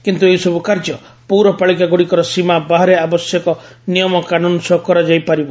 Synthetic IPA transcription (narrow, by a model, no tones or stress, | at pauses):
kint̪uejsɔbukaɾd͡ʒɔ | puɾɔpaɭikaɡuɽikɔɾɔsimabaɦaɾeabɔsjɔkɔnijɔmɔkanunsɔkɔɾad͡ʒajpaɾibɔ